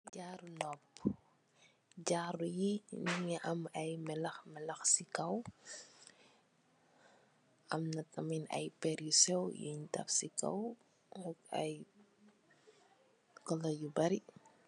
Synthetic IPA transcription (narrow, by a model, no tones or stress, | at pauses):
ɟaːɾunɔpː | ɟaːɾujiniŋiʔɐmɐjmɛlɐxmɛlɐxsikɐw | ɐmnɐtɐminɐ̰jpɛɾusɛwjṵɲtɐ̰fsikɐ̰w | ɔkɐ̰j | kɔlɐjubɐɾi